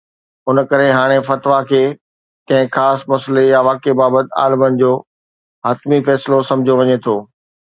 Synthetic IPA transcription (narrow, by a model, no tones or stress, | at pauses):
ʊnkɐɾeɦaːɽ̃efɐt̪ʋakʰeː | kɐ̃ɦɪ̃xaːsmɐslejaʋaːkebaːbət̪ɪa̰ːlɪmənɪ̆d͡ʑoː | ɦɐt̪mifɛːslosɐ̃mɪd͡ʑʱoʋɐɲet̪ʰoː